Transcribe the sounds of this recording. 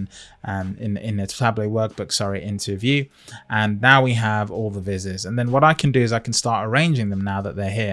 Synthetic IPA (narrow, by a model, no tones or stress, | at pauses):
ñ | ɪ̃nɪ̰̃nɪspʰl̥abliɪwɜˑk̚b̥ʊksɑɹiʔɪ̃ntʰəvjʉ | ʔə̃nːaʊwiəvɔlˠðəvɪzɪzə̃nðə̃nwɒɾaɪkʰə̃ndɨɪzaɪkʰə̃n̩stɑˑɹtəɹẽɪ̃nd͡ʒɪ̃ŋðə̃mnaʊðəʔðə˞ɦiə